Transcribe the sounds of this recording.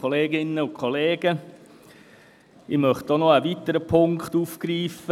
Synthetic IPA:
oleːɡɪnːəʊkʰχoleːɡ̥ə | ɪmœχtdɔnɔæʋitəɾəpʰʊŋkχtuːfkɾiːfə

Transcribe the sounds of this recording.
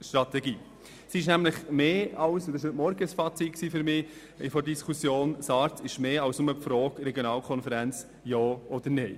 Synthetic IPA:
ʃt̪ɾɑt̪ɛɡiː | sɪʃnæmləχmeːɑwsʊdɪʃhøtmɔɾɡəsfɑːt͡sit̚ksiːfʏɾmɪː | fɔɾdiskʰusjoːnsɑːɾtɪʃmeːɑʊsnʊməpfɾɔːkɾɛɡjonɑːlkʰɔnfəɾɛnt͡s | jɑːʔɔd̪əɾneɪ

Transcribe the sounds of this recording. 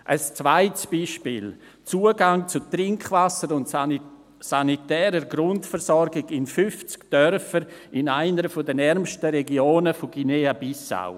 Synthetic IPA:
ʔəst͡svaɪtsb̥iːʃpiːl | t͡suːəɡaŋt͡sʊtɾɪŋkχvasəɾʊnt | sanitɛːɾəɾɡɾʊntfəɾsɔɾɡɪɡɪnfʏft͡skd̥œɾfəɾɪnaɪnəɾfodənɛɾmʃtəɾɛɡioːnəfoɡ̥ineabisa̰ʊ

